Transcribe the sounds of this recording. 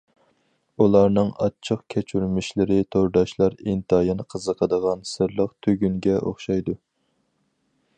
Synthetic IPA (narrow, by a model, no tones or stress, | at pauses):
ulˠɑɾnɨŋɑ̰t͡ʃʰəqkʲʰɛt͡ʃʰyɾmɪʃlɪɾɪt̪ʰoɾd̪ɑʃlˠɑɾint̪ʰɑjɑnqʰəzəqʰəd̪əʁɑnsɨɾlˠəqt̪ʰøɡʲyŋɡʲɛʔo̰χʃɑjd̪u